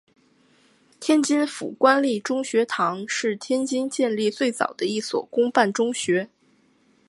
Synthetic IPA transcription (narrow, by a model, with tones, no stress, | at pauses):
t̪ʰjɛ˥nt͡ɕi˥nfṵ˨˩kwa˥nli˥˩ʈ͡ʂʊ˥ŋɕɥɛ˧˥t̪ʰɑ˧˥ŋʂɻ̩˥˩˧t̪ʰjɛ˥nt͡ɕi˥nt͡ɕjɛ˥˧nli˥˧t͡swe˥˩ɪt͡sɑ̰˨˩ʊd̪ə˦i˥˩swɔ̰˨˩kʊ˥ŋpa˥˩nʈ͡ʂʊ˥ŋɕɥɛ˧˥